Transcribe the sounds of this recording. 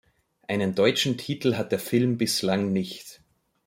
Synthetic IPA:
ʔaɪnəndɔʏt͡ʃn̩tʰiːtl̩ɦat̚d̥eːɐfɪlmbɪslaŋnɪçt

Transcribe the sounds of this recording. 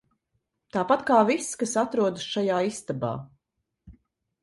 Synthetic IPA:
t̪aːpat̪kaːviskasat̪ɾuɔd̪ɨsʃajaːist̪aba̰ː

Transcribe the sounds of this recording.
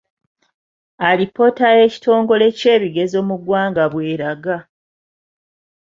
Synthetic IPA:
alipo̞tae̞ci̥to̞ːŋɡo̞le̞ce̞ːβiɡe̞zo̞ːmuɡwaːŋɡaβwe̞ːɾaɡa

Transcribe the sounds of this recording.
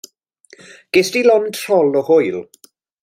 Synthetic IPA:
ɡ̥ɪstilɔntʰr̥ɔlɔhojl

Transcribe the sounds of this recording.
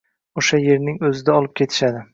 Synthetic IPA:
oʃaje̞ɾnɪŋɵzɪd̪aɒlˠɪp̚kʲʰe̞t̪ʰɪ̥ʃad̪ɪ

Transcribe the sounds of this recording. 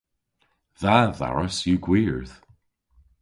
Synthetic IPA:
ðaða̰ɹəsjuɡwiɹð̥

